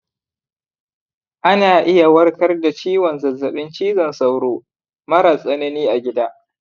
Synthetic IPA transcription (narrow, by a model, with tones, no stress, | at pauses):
ʔa˦naː˨ʔɪ˦ja˨wɐ˦rkɐ˦rda˨t͡ʃiː˦wɔ˨nzɐ˨zːɐ˨ɓɪ˦nt͡ʃiː˦zɐ˨nsa˦wɽoː˦ | mɐ˦ɾaː˨sʼɐ˦nɐ˦niː˦ʔa˨ɡʲɪ˦daː˦ʔ